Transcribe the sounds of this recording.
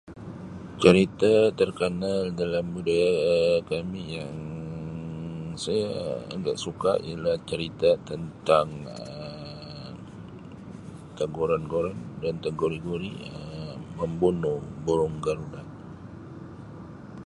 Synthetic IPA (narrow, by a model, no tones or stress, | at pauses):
t͡ʃəɾit̪at̪ərkənaldalamːudakamijaŋ | sajaə̰ɡa̰ʔsuka̰ʔḭalaht͡ʃəɾit̪at̪ənt̪aŋə | t̪aɡuɾanɡoɾandant̪aɡoɾiɡoɾiəməmbunʊhboɾʊŋɡaɾunaʔ